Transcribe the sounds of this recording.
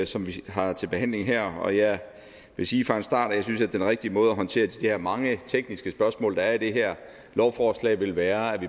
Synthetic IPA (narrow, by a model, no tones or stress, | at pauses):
sɒ̽mʋiɦɑ̈t͡sʰe̝lb̥e̝ɦæn̰le̝ŋɦæɐ̰ɒ̽jæ | ʋe̝siːfʁɑ̈e̝nsd̥ɑ̰̈ːd̥ɒjɑ̈s̬ynsæd̥enʁɛɡ̥̚d̥imɔ̽ːð̞̩ˠɐɦɒ̽nt͡sʰe̝̰ːɐd̥id̥ehæɐmɑ̈ŋət͡sʰeɡ̥̚nisɡ̥əsb̥ɶɐsmɔ̰ːld̥ɑ̈æɐid̥e̝ɦæɐ̰ | lɒʊfɒslɛ̰ːɪʋe̝lʋæːɐæɐʋi